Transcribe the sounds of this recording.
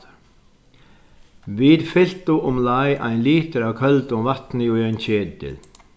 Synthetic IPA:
viðfɪl̥t̪ʊʔʊmlajʔa̰jnliːt̪ɪɾawkʰœlt̪ʊmvaht̪nɪuajnt͡ɕʰɛːt̪ɪ̰ð

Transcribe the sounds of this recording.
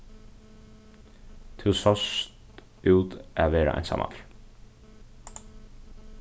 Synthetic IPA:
t̪ʰɪwsɔst̪ | uwt̪æʋeːɾa̰ʔa̰jnsa̰ːmʔa̰t̪l

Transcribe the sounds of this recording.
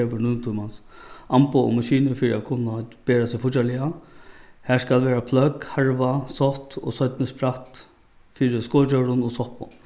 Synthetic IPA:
eːʋʏnʊnt̪ʰumansampʊɔ̰maʃiːnɪfiːɾɪakʰʊnːab̥eːɾasɪfʊt͡ɕalɪa | hæːskalʋeːɾapʰlœkhaɹʋasɔht̪ɔ̰sɔɥt̪nɪspʰɾaht̪ | fiːɾɪskoːt͡ɕœɾʊnɔsɔhpʊ̰n

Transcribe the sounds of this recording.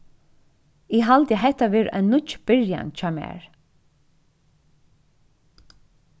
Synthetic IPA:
ɪɦalt̪jɛɦɛht̪ːaʋɛːɹʔa̰ɪnːʊt͡ʃb̥ɪɹja̰nt͡ʃʰɑːmɛ̰ːɹ

